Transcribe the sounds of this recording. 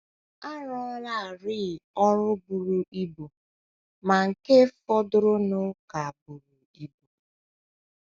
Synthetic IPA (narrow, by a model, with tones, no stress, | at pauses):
a˦ɾɔ˦ɾa˦˨ɾɪ˦˨ɔ˦ɾʊ˦bu˨ɾu˨ʔi˦bu˨ | ma˨ŋ̩˨ke˦fɔ˦dʊ˦ɾʊ˦nʊ˦ka˨bu˨ɾu˨ | i˦bu˨